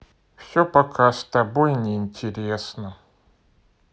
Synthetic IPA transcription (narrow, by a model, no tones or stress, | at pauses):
fsʲopɐkʰast̪ɐbojnʲɪɪnʲtʲɪɾʲesnə